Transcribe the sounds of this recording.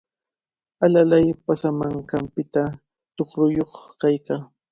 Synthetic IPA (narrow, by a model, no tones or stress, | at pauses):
alalajpasamaŋkampɪt̪a | t̪oχɾʊjoχkajkaː